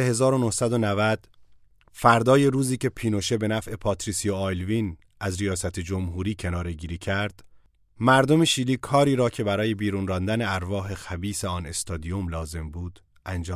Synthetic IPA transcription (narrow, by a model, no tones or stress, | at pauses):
ehe̞zɒːɾo̞nohsæd̪o̞nævæd̪̥ | fæɾd̪ɒːje̞ɾuːziːcʰe̞pʰiːnoʃe̞be̞næfʔe̞pʰɒːt̪ʰɾisijoɑjlviːn | æzɾijɒːsæt̪ʰed͡ʒo̞mɦuːɾiːcʰe̞nɒːɾe̞ɟiːɾiːcʰæɾd̪̥ | mæɾd̪o̞meʃiːliːkʰɒːɾiːɾɒːcʰe̞bæɾɒːje̞biːɾuːnrɒːnd̪æneæɾvɒːɦe̞xæbiːseɒːne̞st̪ɒːd̪ijomlɒːze̞mbuːd̪̥ | ʔænd͡ʒɒː